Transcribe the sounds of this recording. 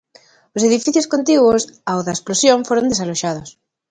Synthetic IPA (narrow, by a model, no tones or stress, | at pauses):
oseðifiθjoskont̪iɣwosaoðaesplosjõɱfoɾond̪e̞s̬aloʃaðos